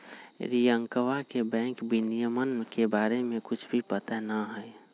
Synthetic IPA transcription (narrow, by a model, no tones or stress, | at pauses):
ɾijəŋkəʋakebɛ̃ːŋkbinijəmənkebaːɾemẽkʊt͡ʃʰbʱipət̪anaɦəj